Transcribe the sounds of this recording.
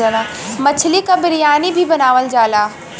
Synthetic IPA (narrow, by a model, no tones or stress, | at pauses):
aːlamɐt͡ʃʰlikabɪɾijaːnibʱibɐnaːʋəld͡ʒaːlaː